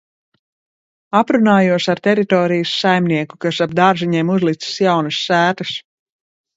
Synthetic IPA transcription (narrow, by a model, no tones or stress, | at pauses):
apɾunaːjuɔsaɾt̪ɛɾit̪ɔːɾijɨsːajmniɛkukasab̚d̪aɾʒiɲɛmuzlˠit̪si̥sjawnɨsːæːt̪ɨs